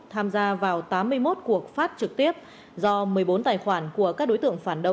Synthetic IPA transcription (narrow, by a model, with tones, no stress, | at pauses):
t̪ʰaː˧mzaː˧vaː˨˩wt̪aː˨˦mːɨ˧əjmo˦˥t̚ku˨˩ək̚faː˦˥t̚t͡ɕɨ˨˩k̚t̪i˦˥əp̚ | zɔ˧mɨ˨˩əjɓo˨˦nt̪aː˨˩jxwaː˧˩nku˧˩əkaː˦˥k̚ɗo˨˦jt̪ɨ̰˧˨əŋfaː˧˩nɗə˧